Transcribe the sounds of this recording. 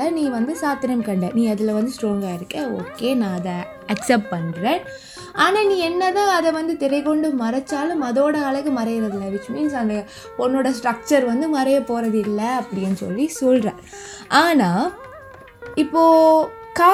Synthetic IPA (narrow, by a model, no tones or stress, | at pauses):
ɐnĩːʋɐnd̪ɯsaːt̪ːɪɾɐmkɐɳɖḛ̃ːnĩːɐðɪlɐʋɐnd̪ɯsʈɾoːŋɡaːɪɾɯkːeo̰ːkːeːnãːɐðɛ | ɐksɛp̚ʈ̚pɐɳɾẽː | ʔaːnaːnĩːɛnːɐt̪ãːɐðɛʋɐnd̪ɯt̪ɛɾɐɪkɔɳɖɯmɐɾɐt͡ʃːaːlɯ̃mɐðoːɽɐɐɭɐɣɯmɐɾɐɾɐðɯlːɐʋɪt͡ʃːmiːns̬ɐnd̪ɐ | pɔnːoːɽɐsʈɾɐk̚t͡ʃɐɾʋɐnd̪ɯmɐɾɐjɐpoːɾɐðɯɪlːɐɐpːɐɽɪjɐnːɯsɔ̰lːisɔlɾẽː | ʔaːnãː | ɪpːoː | kaː